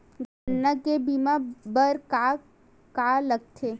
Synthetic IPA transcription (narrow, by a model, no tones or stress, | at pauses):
ɡʱənːəkebimabəɾka | kaləɡ̚t̪ʰe